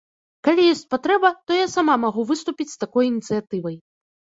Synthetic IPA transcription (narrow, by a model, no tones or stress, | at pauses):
kalʲijɔsʲt͡sʲpat̪ɾɛbɐt̪ɔjasamamaɣuvɨst̪upʲit͡sʲst̪akɔjinʲit̪sɨjat̪ɨvɐj